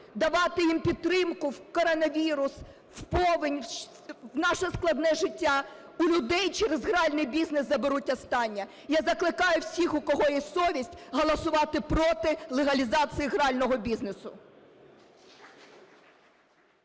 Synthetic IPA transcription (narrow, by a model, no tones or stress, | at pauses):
d̪ɐʋɑt̪ɪjimpʲid̪̚t̪ːɾɪmkʊwkɔɾɔnɐʋʲiɾʊs | wpɔʋɪnʲ | wnɑʃɛsklˠɐd̪nɛʒɪtʲːa | ʊlʲʊd̪ɛjt͡ʃɛɾezɦɾɑlʲnɪjbʲizneszɐbeɾutʲːɐst̪ɑnʲːɐ | jɑzɐklˠɪkɑjʊwsʲixʊkɔɦɔjɛsɔʋʲisʲtʲɦɔlˠɐsʊʋɑt̪ɪpɾɔt̪ɪlˠeɦɐlʲizɑt͡s̪ʲɨjiɦɾɑlʲnɔɦɔbʲiznesʊ